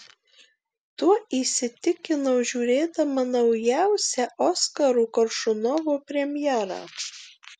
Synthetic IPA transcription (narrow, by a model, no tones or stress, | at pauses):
t̪uɔiːsʲɪt̪ʲɪkʲɪnɐʊʒʲuːɾʲeːd̪ɐmɐnɒʊjæˑʊsʲɛʔɔskɐɾuːkɐɾʃʊnɔʋoːpʲɾʲɛmʲjɛɾɑ̰ː